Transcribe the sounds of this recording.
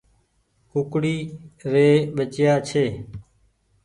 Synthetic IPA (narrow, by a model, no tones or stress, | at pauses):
kʊkɽiːɾeːɓət͡ʃjaːt͡ʃʰeː